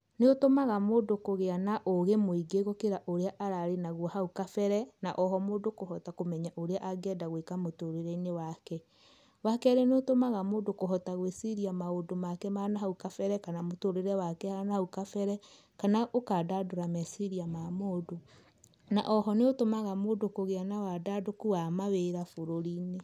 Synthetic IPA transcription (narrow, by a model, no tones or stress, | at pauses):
neotomaɣamoːdokoɣeanaʔoɣemoiɡeɣokeɾaʔoɾeaʔaɾaɾenaɣwɔhaukafɛɾɛnaʔɔɦɔmoːdokohɔtakomɛɲaʔoɾeaʔaɡɛdaɣwekamotoɾeɾɛinewakɛ | wakɛɾenotomaɣamoːdokoɦɔtaɣwesiɾiamaodomakɛmanaɦaukafɛɾɛkanamotoɾeɾɛwakɛhanahaukafɛɾɛ | kanaʔokaːdadoɾamɛsiɾiamamoːdo | na̰ʔɔɦɔneotomaɣamoːdokoɣeanawadadokuwamaweɾafoɾoɾine